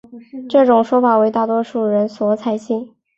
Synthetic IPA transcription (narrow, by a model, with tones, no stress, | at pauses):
ʈ͡ʂɤ˥˩ʈ͡ʂʊ˨˩ŋʂwɔ˥fa˨˩we˧˥ɪt̪a˥˩t̪wɔ˥ʂu˥˩ɻə˧˥nswɔ˧˥t͡sʰa˧˥ɪɕi˥˩ŋ